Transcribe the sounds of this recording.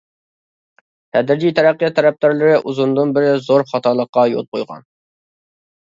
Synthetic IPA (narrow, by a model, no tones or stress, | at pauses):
t̪ʰɛd̪ɾɪd͡ʒijt̪ʰæɾæqːijɑt̪ʰːæɾɛp̚t̪ɑɾlˠɨɾɨʔuzund̪ɨnbɪɾɪzoɾχɑt̪ʰɑlˠəqːɑjo̰lˠqʰojʁɑ̰n